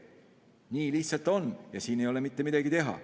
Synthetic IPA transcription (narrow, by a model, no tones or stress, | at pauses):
niːliçtsɑlt̪ːˑo̞njɑsiːne̞jo̞le̞mit̪ːe̞mid̪ɑɡit̪e̞ɦɑ̰